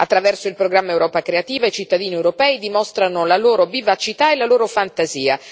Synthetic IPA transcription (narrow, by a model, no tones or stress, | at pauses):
at̪ːɾavɛrsoilpɾoɡɾamːaewɾɔːpakɾeat̪iːvait͡ʃit̪ːad̪iːniewɾopɛːid̪imɔst̪ɾanolaloːɾovivat͡ʃit̪aelaloːɾofant̪aziːa̰